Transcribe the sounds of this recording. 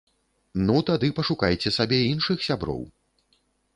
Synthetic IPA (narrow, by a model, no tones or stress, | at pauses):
nut̪ad̪ɨpɐʂukajt͡sʲɛsabʲɛinʂɨxsʲabɾɔ̰w